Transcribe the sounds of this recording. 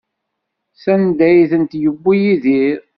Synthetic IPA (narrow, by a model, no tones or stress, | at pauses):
sænd̪æjθənt̪jəbːijiðiɾ